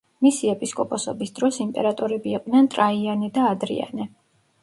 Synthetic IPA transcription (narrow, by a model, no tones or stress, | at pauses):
misiɛpʼiskʼɔpʼɔsɔbisd̪ɾɔsimpʼɛ̰ɾat̪ʼɔɾɛbiːqʼd̪nɛnt̪ʼɾaianɛd̪aːd̪ɾḭa̰nɛ